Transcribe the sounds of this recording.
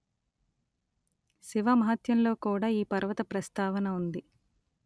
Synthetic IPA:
siʋɐmɐɦɐt̪jɐmlo̞ːkuːɽaːiːpɐɾʋɐt̪ɐpɾɐst̪aːʋɐnɐund̪i

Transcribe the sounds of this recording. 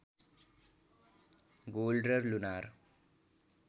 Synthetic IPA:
ɡoːlɖɾɐɾlunaːɾ

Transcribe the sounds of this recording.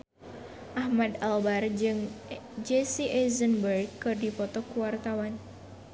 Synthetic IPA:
ʔahmad̪albard͡ʒɨŋd͡ʒesiʔɛzənbərɡ̚kːɨrdipɔt̪ɔkuwart̪awan

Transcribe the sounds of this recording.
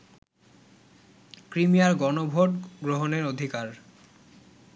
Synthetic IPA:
kɾimijaɾɡɔnobʱoʈɡɾoɦoneɾod̪ʱikaɾ

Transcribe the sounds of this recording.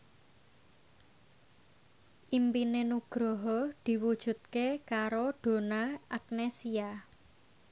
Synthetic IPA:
ʔimpinenuɡ̥ɾɔɦɔd̪̥i̤wud̥ʒ̥ṳt̪̚kekaɾoɖ̪̥o̤naʔak̚nesia

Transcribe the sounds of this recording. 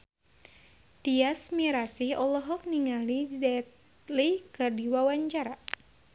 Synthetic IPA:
t̪iasmiɾasihɔlɔɦɔk̚niŋalizɛt̪ | likɨrdiwawaɲt͡ʃaɾa

